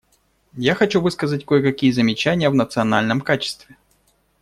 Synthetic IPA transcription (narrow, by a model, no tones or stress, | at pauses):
jaxɐt͡ɕuvɨskəzətʲkojəkɐkʲijəzəmʲɪt͡ɕænʲɪjəvnət̪sɨɐnalʲnəmkat͡ɕɪ̥st̪vʲɪ